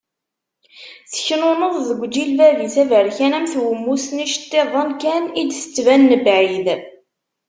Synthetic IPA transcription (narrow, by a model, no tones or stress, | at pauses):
θəçnonəðˤðəɡʷd͡ʒilvæviθævəɾçænæmθwəmːusniʃə̥t̪ːeðˤənkænid̪sə̥t͡sːvænːəbʕið